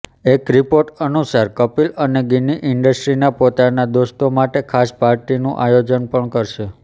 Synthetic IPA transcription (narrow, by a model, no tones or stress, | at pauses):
ekɾipoɾʈənusaɾkəpiləneɡiniʔɪɳɖəsʈɾinapot̪anad̪oʃt̪omaʈekʰaspaɾʈinũʔajod͡ʒənpəɳkəɾʃe